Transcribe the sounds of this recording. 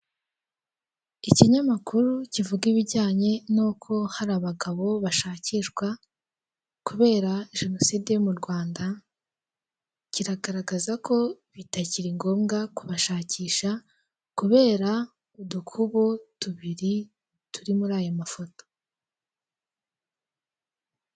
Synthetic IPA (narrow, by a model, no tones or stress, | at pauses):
iciɲamakuɾucivuɡiβiɾɟaːɲe̞nokʰo̞haɾaβaɡaβo̞βaʃaːciʃɡwa | kuβe̞ːɾaʒe̞no̞siːdijomuɾɡwaːnda | ciɾaɡaɾaɡazakʰo̞βitaciɾiŋɡo̞ːmɡakuβaʃaːciːʃa | kuβe̞ːɾa | udukʰuβotuβiɾi | tuɾimuɾaːjomafo̞to̥